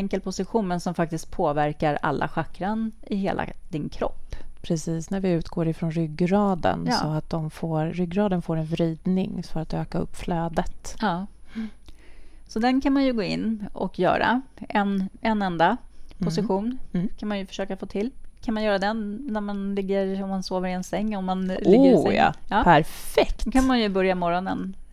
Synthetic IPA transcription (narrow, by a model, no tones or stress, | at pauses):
ɛŋkəlpʰʊsɪɧuːnənsɔmfak̚t̪ɪst̪̚pʰoːvæɾkaɾa̰lːʔa̰ɧakɾanɪhḛːlʔa̰d̪̥ɪnkʰɾɔ̰pːpʰɾɛsiːsnæɾvɪʉ̟ːt̪ɡoːɾɪfɾɔnɾʏɡːɾɑːd̪ə̰nssɔat̪̚d̪ɔmfoːɾːʏɡːɾɑːd̪ənfoːɾɛnvɾiːd̪nɪ̰ŋfœɾat̪øːkaɵ̰pːfløːd̪ət̪ɑː | sɔd̪ɛnkʰanmanjɵɡoːɪ̰nːɔ̰kjœ̰ːɾa̰ɛnɛnːɛnd̪apʰʊsɪɧuːnkʰanmanjɵfœ̥ʂøːkafoːt̪ʰɪlːkʰanmanjœːɾad̪ɛnːæɾmanlɪɡːəɾɔmːansoːvəɾɪɛnsɛŋːɔmːanlɪɡːəɾj̰jɑːpʰæɾfɛkt̪kʰanmanjɵbœɾjamɔɾɔnən